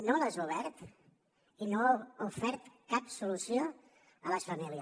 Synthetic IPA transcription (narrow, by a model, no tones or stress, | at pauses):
nolazuβɛɾt̪ | inoufɛɾt̪kapsulusio | ələsfəmiliə